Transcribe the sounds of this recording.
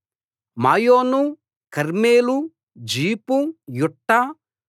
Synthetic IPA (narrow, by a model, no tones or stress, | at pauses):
maːjoːnu | kɐɾmeːlu | d͡ʒiːpujuʈːɐ